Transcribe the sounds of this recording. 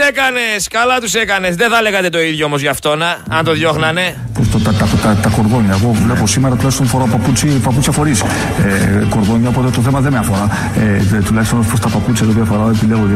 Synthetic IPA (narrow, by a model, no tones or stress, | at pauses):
ekɐne̞skɐlɐt̪usekɐne̞zðeθɐleɣɐt̪e̞t̪o̞iðʝoomo̞zʝɐft̪o̞nɐɐnt̪o̞ðʝo̞xnɐne̞ | post̪ot̪ɐt̪ɐt̪ɐt̪ɐko̞ɾðo̞ɲɐeɣo̞vleposimeɾɐt̪ulɐçst̪onfo̞ɾɐpɐput͡sipɐput͡sçɐfo̞ɾis | eko̞ɾðo̞ɲːɐopo̞t̪et̪oθemɐðemeɐfoɾɐ | et̪ulɐçist̪onspɾost̪ɐpɐput͡sçɐt̪iot̪iɐfo̞ɾɐepileɣoði